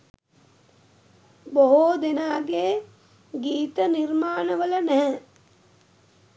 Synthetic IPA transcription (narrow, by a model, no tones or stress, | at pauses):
boɦoːd̪inaːɡeː | ɡiːt̪ɐniɾmaːɳɐʋɐlɐnɛɦɛ̃